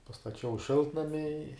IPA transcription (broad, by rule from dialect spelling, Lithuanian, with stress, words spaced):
pɐstɐˈt͡ʃʲɛʊ ˈʃʲɪlˠtnɐmʲɪ ɪ